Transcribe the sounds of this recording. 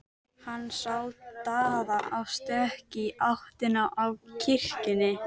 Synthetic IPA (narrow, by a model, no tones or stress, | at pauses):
hanːsawt̪aːðaʔawst̪œhcɪʔaht̪ɪnaʔavcʰɪr̥cɪnːɪ